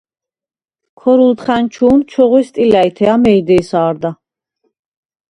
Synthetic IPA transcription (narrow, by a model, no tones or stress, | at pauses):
kʰɔɾult̪χænt͡ʃʰuːnt͡ʃʰɔʁwist̪ʼilæit̪ʰɛamɛid̪ɛisaːɾd̪a